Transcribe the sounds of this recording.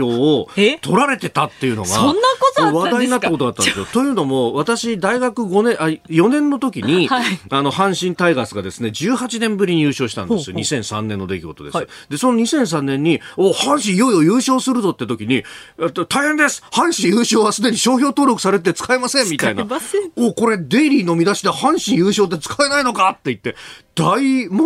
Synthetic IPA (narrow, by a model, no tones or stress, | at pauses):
oːt̪ʰo̞ɾaɾe̞t̪e̞t̪at̪ːe̞jɯ̟noɡa̰onːaoβadɲaiɲ̟inat̪ːako̞t̪o̞d̪at̪ːand̪esɨjot̪o̞jɯ̟ːno̞mo̞βat̪aɕid̪aiɡakɯ̟ɡo̞nẽʔajo̞nẽ̞nːo̞t̪o̞kʲiɲ̟iano̞hãɰ̃ɕĩnt̪aiɡasɨɡad̪e̞sɨne̞d͡ʑɨːhat͡ɕinẽ̞mbɯ̟ɾʲiɲ̟ijɯːɕo̞ːɕi̥t̪ã̰nesɨjo̞̰ɲ̟isẽ̞ɰ̃sã̰nːẽnːo̞d̪e̞kʲiɡo̞t̪o̞d̪e̞̰sɨd̪e̞so̞no̞ɲ̟isẽ̞ɰ̃s̬ãnːẽ̞ɲ̟ːioːhãɰ̃ɕĩjo̞io̞jɯːɕo̞ːsɨɾɯ̟zo̞t̪ːet̪o̞kʲiɲ̟iet̪ːot̪aiɦẽ̞nd̪esɨ̥hãɰ̃ɕĩɰjɯːɕo̞ːβasɨd̪e̞ɲ̟iɕo̞ːçʲo̞ːt̪o̞ːɾokɯ̟̥saɾe̞t̪̬et͡sɨ̥kaemasẽmmʲːit̪ain̰oːko̞ɾe̞d̪e̞iɾʲiːno̞mʲid̪aɕid̪ehãɰ̃ɕĩɰ̃jɯːɕo̞ːt̪ːet͡sɨ̥kae̞naino̞kat̪ːe̞it̪ːe̞d̪̥aimo